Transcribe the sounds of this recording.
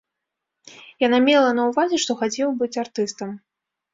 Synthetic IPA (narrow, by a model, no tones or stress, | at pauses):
janamʲɛlˠɐnɐwvazʲɛʂt̪ɔxat͡sʲɛwbɨt͡sʲart̪ɨst̪ɐm